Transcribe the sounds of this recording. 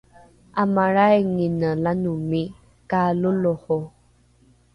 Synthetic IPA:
amaɾajŋinəlanumi | kaluloho

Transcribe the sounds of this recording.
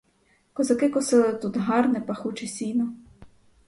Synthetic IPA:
kɔzɐkɪkʊsɪlˠɪt̪ut̪ɦɑrnɛpɐxut͡ʃɪsʲinɔ

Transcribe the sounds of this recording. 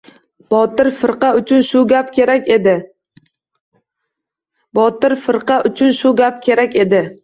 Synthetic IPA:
b̥ɒt̪ɪɾfɪɾqɑʊt͡ʃʰʊnʃʊɡʲapkʲʰeɾakʲed̪ɪ | bɒt̪ɪɾfɪɾqʰɑʔʊt͡ʃʰʊnʃʊɡʲap̚kʲʰe̞ɾakʲe̞d̪ɪ

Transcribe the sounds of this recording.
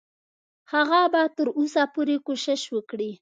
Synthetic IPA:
haɣabat̪əɾosapoɾekoʃɪʃwəkɽi

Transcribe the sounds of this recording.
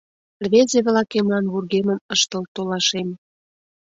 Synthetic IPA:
lβezeβlɑkemlɑnβurɣemənəʃt̪əlt̪olɑʃem

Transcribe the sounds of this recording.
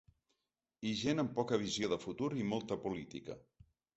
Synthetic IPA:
iʒenəmpɔkəβ̞izjoðəfut̪uɾimolˠt̪əpulit̪ikə̰

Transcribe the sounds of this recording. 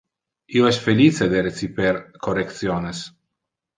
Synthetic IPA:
ioɛsfelit͡sed̪eɾet͡sipeɾkorek̚t̪sjones

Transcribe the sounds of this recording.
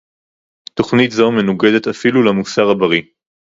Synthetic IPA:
t̪o̞χnitzome̞nuɡed̪e̞t̪afilulamusaʁabaʁi

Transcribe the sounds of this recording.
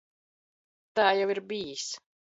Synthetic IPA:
t̪aːjawiɾbijis

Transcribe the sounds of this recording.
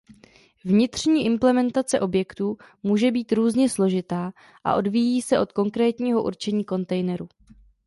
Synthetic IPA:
vɲɪt̪r̝̥ɲiːʔɪmplɛmɛnt̪at͡sɛʔo̞bjɛkt̪uː | muːʒɛbiːt̪ɾuːzɲɛslo̞ʒɪt̪aː | ʔa̰ʔo̞dvijiːsɛʔo̞t̪̚ko̞ŋkɾɛːt̪ɲiːɦo̞ʔṵɾt͡ʃɛɲiːko̞nt̪ɛjnɛɾu

